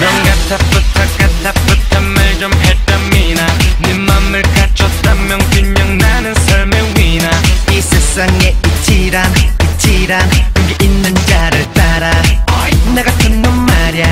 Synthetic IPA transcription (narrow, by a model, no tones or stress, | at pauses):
nanɡatʰapɯtʰak͈atʰapɯtʰamːaɭt͡ɕomhet͈aminanɯmːamːɯɭkat͡ɕʰʌtt͈amjʌŋtuɲʌŋnanɯnsʰaɭmewinaisʰes͈aŋeit͡ɕʰiɾanit͡ɕʰiɾanɯkeʔinːɯnd͡ʑaɾɯɭt͈aɾa | neɡatʰɯnːonmaɾja